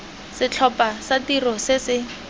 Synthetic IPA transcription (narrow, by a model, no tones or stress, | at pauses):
sɪt͡ɬʰɔpasatirɔsɪsɪ